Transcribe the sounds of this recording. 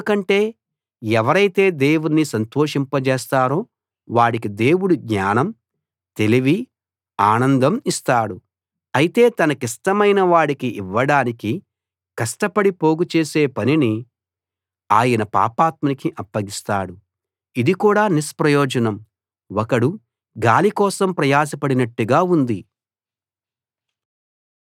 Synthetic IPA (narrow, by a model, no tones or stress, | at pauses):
kɐɳʈe̞ː | ɛʋɐɾɐjt̪e̞ːd̪e̞ːwuninisɐnt̪oːʂimpɐt͡ʃeːst̪aːɾo̞ː | ʋaːɽikid̪e̞ːwuɽuɡɲaːnɐm | t̪e̞liʋi | aːnɐnd̪ɐmist̪aːɽu | ɐjit̪e̞ːt̪ɐnɐkisʈɐmɐjnɐʋaːɽikiʔiʋːɐɽaːniki | kɐʂʈɐpɐɽipo̞ːɡut͡ʃeːse̞ːpɐnini | aːjɐnɐpa̰ːpaːt̪̚mɐnikiʔɐpːɐɡist̪aːɽu | id̪ikuːɽaːnispɾɐjɔːd͡ʒɐnɐm | wɔkɐɽu | ɡaːlikɔːsɐmpɾɐjaːs̬ɐpɐɽinɐʈːuɡaːund̪i